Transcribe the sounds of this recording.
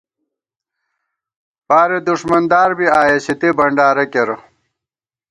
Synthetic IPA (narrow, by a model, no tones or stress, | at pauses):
paːɾed̪uʂmɐnd̪aːɾbiaːjeɕit̪ibɐɳɖaːɾɐkeɾo